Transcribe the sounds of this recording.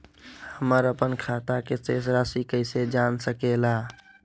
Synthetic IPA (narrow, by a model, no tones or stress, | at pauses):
həməɾəpənkʰat̪akesesɾasikəɪsed͡ʒansəkela